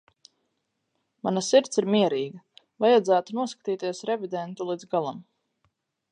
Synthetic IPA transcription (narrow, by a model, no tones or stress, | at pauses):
manasiɾt̪siɾmiɛɾiːɡɐ | vajad̪zæːt̪unuɔskḁt̪iːt̪iɛsɾɛvid̪ɛnt̪ulˠid̪zɡalˠam